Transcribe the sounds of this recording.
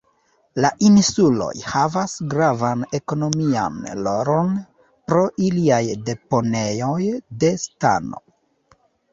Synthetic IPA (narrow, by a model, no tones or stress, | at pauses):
laʔinsulo̞̰jhavasɡɾavane̞ko̞no̞mia̰nlo̞ɾo̞n | pɾo̞ʔiliajde̞po̞ne̞jojde̞sta̰no̰